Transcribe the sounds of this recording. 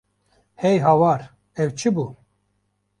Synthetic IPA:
hɛjɦawaːɾ | ɛwt͡ʃʰɨbu

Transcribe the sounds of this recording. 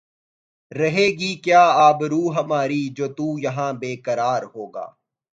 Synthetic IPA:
ɾɐɦeːɡiːkjaːaːbɾuːɦɐmaːɾiːd͡ʒoːt̪uːjɐɦãːbeːkəɾaːɾɦoːɡa̰ː

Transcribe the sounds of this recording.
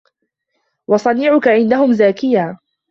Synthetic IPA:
wɑsˤɑniːʕʊkaʕɪnd̪aɦʊmzaːkɪjaː

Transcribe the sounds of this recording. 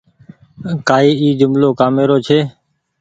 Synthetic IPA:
kaːiːiːd͡ʒʊmloːkaːmeːɾoːt͡ʃʰeː

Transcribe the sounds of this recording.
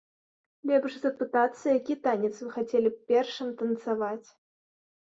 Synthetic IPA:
lʲɛbʂzɐpɨt̪at̪sːɐjakʲit̪anʲɛt̪svɨxat͡sʲɛlʲipʲɛrʂɨmt̪ɐnt̪savat͡sʲ

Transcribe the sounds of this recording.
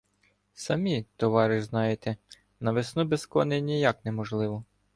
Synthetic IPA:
sɐmʲit̪ɔʋɑɾɪʒznɑjet̪ɛ | nɐʋesnubeskɔnenʲijɑknɛmɔʒlˠɪʋɔ

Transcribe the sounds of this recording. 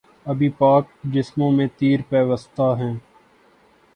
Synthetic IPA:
ɐbʱiːpaːk̚d͡ʒɪsmõːmẽt̪iːɾpɛːʋəst̪aɦɛ̃ː

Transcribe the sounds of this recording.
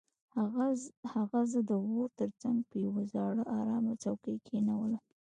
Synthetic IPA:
haɣazəd̪əwoɾt̪əɾt͡saŋɡ̚pəjawazɑɽəʔɑɾɑmat͡sawkejkʰenawəla

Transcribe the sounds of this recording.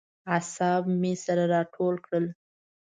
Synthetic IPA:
asɑbmesaɾaɾɑʈʰolkɽəl

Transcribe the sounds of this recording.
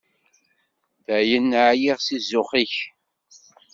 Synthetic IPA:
ðæʕjənːʕjiʁsizʊχiç

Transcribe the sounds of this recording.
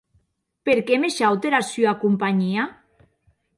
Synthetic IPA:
peɾkemeʃawt̪eɾasjoakumpaɲia

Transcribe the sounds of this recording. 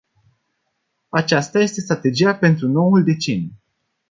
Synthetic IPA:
at͡ʃast̪aje̞st̪e̞st̪ɾat̪e̞d͡ʒijape̞nt̪ɾuno̞wuld̪e̞t͡ʃenju

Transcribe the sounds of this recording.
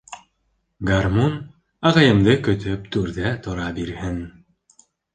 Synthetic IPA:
ɡarmon | ɑʁɑjɤ̆md̪ɤkɵ̆t̪ɵpt̪ʉɾðæt̪ŏɾɑbiɾhɘn

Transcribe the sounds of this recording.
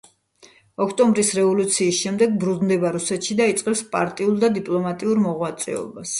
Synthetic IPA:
ɔkʰt̪ʼɔmbɾisɾɛvɔlut̪sʰiːsʃɛmd̪ɛɡ̚bɾud̪nd̪ɛbaɾusɛt̪ʃid̪ait̪sʼqʼɛpspʼa̰ɾt̪ʼiulˠd̪ad̪ipʼlˠɔmat̪ʼiuɾmɔʁwat̪sʼɛ̰ɔ̰bas

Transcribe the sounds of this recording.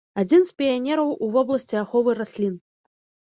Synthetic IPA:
ad͡zʲinspʲianʲɛɾɐwuvɔblˠɐsʲt͡sʲiaxɔvɨrasʲlʲin

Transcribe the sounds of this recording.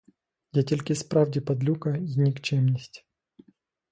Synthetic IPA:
dʲetʲɪlʲkʲispɾavdʲɪpɐd̪lʲukɐzʲnʲikt͡ɕemnʲɪsʲtʲ

